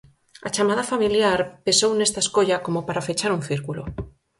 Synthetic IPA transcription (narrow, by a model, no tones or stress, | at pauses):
at͡ʃamað̞afamiljaɾpe̞sowne̞st̪aeskoʎako̞mopaɾafet͡ʃaɾunθiɾkulo